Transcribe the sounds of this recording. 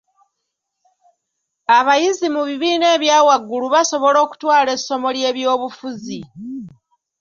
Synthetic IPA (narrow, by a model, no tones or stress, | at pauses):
aβajizimuβiβiːne̞ːβjaːwaɡːuluβaso̞βo̞lo̞ːku̥twaːle̞sːo̞mo̞lje̞ːβjo̞ːβufuzi